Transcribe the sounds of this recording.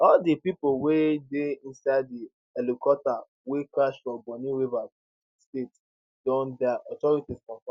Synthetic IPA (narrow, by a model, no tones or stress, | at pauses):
ɔldipipowedeĩnsaɪddi | ɛlukɔta | wekɹaʃfɹɔ̃bɔ̃niɹiva | stet | d̥ɔ̃ndɛʔɔtɔɹitiskɔ̃fã